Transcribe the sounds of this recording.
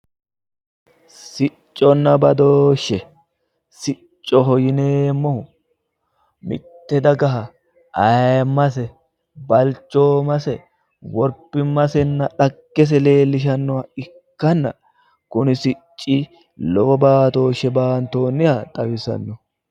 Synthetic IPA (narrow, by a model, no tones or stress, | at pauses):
sɪt͡ʃʼːɔnːɐbɐd̪oːʃːɛ | sɪ | t͡ʃʼːɔɦɔjɪneːmːɔʊ | mɪ̰t̪ːɛd̪ɐɡɐɦɐ | ʔɐjmːɐs̬ɛ | bɐlt͡ʃːoːmɐsɛ | wɔɾpːɪmːɐsɛnːɐᶑɐɡːɛs̬ɛle̞ːlːɪʃ̬ɐnːɔwɐɪkːɐnːɐ̰ | kʊnɪsɪt͡ʃʼːi | lɔwɐbaːt̪o̞ːʃɛbaːnt̪oːnːɪjɐt̪ʼɐwɪsɐ̰nːɔ